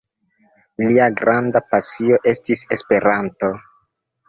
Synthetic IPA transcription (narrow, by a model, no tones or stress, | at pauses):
liaɡɾandapasio̞ʔe̞stise̞spe̞ɾanto̞